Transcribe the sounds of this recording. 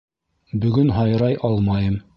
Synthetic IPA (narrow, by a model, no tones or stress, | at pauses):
bɵ̆ɡɵnɦɑjɾɑjʔɑlˠmɑjɤm